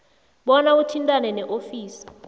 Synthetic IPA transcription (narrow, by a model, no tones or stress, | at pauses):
ɓɔnautʰintʼanɛnɛʔofiːsi̥